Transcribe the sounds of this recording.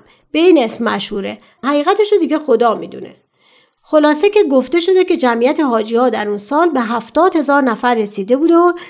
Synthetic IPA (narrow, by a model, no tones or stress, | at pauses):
b̥e̞iːne̞smːæ̰ʃhuːɾḛ | hæɣiːɣæt̪ʰe̞ʃod̪iːɟe̞xod̪ɒːmḭd̪ṵnḛ | xolɒːsecʲeɡoft̪e̞ʃo̞d̪e̞cʰe̞d͡ʒæmijæt̪ʰe̞ɦɒːd͡ʒiɒːd̪æɾunsɒːlbe̞ɦæft̪ɒːd̪he̞zɒːɾnæfæɾːe̞siːd̪e̞buːd̪o